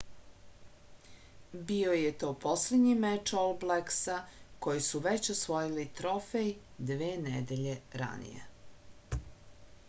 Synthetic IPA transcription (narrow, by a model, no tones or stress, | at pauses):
biojet̪o̞ːposled̪ɲimet͡ʃolbleksako̞jisuʋet͡ɕosʋo̞jilit̪ɾofej | d̪ʋeːned̪eʎe̞ɾa̰nḭjḛ